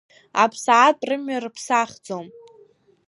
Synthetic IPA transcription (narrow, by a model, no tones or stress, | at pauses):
a̰pʰsaʕːtʼrɨmɥarɨpʰsaχʲd͡zom